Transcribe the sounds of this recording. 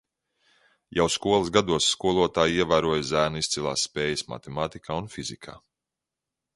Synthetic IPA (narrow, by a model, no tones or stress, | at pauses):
jawskuɔlˠɐzɡad̪uɔsːkuɔlˠuɔt̪aːjiɛvæːɾuɔjzæːnist̪silˠa̰ːsːpeːjɐsma̰t̪emaːt̪ikʰaːunfizikʰa̰ː